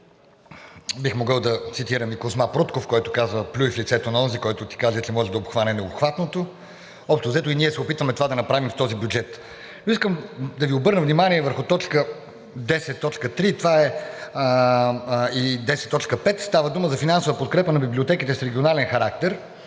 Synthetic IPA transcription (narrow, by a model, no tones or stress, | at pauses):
bixmoɡəlˠd̪ɐt̪sit̪iɾəmikosmapɾot̪kofkɔjt̪o̥kazvəplʲuiflʲit̪sɛt̪onɐɔnzikɔjt̪ʊt̪i̥kazɛt̪lɛmɔʒɛd̪ɐopxvanɛnɛopxvat̪not̪o | ɔpʃt̪ozɛt̪oʊiniɛsɛopit̪vɐmɛt̪ovad̪ɐnɐpɾavimft̪ɔzibʲjud͡ʒɛt̪ | noiskəmd̪ɐviobɤɾnəvnimaniɛvəɾxʊt̪ɔt͡ʃkə | d̪ɛsɛt̪ːɔt͡ʃkət̪ɾit̪ovaɛ | id̪ɛsɛt̪ːɔt͡ʃkəpɛt̪st̪avəd̪uməzɐfinansovəpot̪̚kɾɛpənɐbiblʲiot̪ɛkit̪ɛsɾɛɡʲionalɛnxɐɾakt̪ɛɾ